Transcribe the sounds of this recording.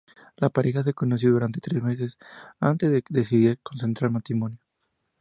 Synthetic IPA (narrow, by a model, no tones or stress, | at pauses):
lapaɾexas̬ekonos̬joðuɾant̪e̞t̪ɾezme̞s̬esa̰nt̪ezðeðesiðiɾkonsent̪ɾaɾmat̪ɾimo̞njo